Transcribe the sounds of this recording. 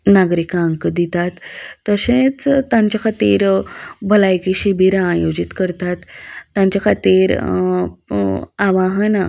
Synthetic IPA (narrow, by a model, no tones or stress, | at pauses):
naɡɾikaə̃ŋkd̪it̪at̪ːəɕẽt͡st̪ãɲt͡ɕakʰat̪iɾbʱəlajkiɕibʱiɾaːjod͡ʑit̪kəɾt̪at̪ːjãɲt͡ɕakʰat̪iɾ | aʋaɦəna